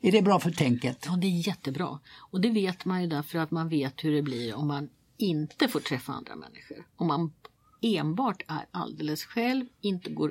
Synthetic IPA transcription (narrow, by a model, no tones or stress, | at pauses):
æɖɛbɾɑːfœʈʰɛŋkət̪ɑːd̪ɛæɾjɛt̪ːəbɾɑ̰ːɔd̪ɛveːt̪manjɵd̪æɾfœɾat̪manveːt̪hɵɖɛbliɾɔmːan | ɪnt̪əfoːʈʰɾɛfːaa̰nd̪ɾa̰mʔɛ̰nːɪɧəɾɔmːan | eːnbɑːʈæ̰ɾa̰ld̪eːləsɧɛlvɪnt̪əɡoːɾ